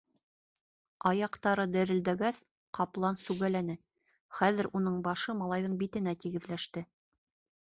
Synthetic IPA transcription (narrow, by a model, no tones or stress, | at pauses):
ɑjɑqt̪ɑɾɤd̪æɾɘ̆ld̪æɡæs | qɑplˠɑnsʉɣælænɘ | χæðɘ̆ɾʔunɤɴbɑʃɤmɑlˠɑjðɤɴbit̪ɘ̆næt̪iɡɘ̆ðlæʃt̪ɘ